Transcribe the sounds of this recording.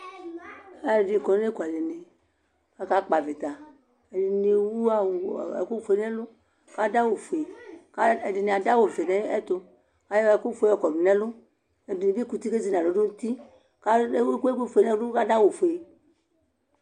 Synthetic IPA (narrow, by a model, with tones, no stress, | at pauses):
ɛ˨di˨kɔ˨˦e˦ku˨a˨le˨ne˨ | a˧ka˦k͡pa˨vi˨t̪a˨ | e˨di˨ni˧wu˦a˨wḛ˨ku˦fe˨˦nɛ˦lʊ˦ | ka˦da˦wo˨fo˨e˨ka˦e˨di˨nĩ˨a˨da˦wo˨ve˨nɛ˦e˦t̪o˧ | ka˨˦jɛ˨ku˦fe˨˦ɔ˨kɔ˨du˨nɛ̃˦lʊ˦ | e˨dni˨bi˦ku˧t̪i˦ke˦zi˨nã˨lo˨˦do˦n̩˦t̪i˦ | ka˦ke˦kʷu˦fo˨e˨nɛ˦u˦ka˦da˦wo˨fo˨e˨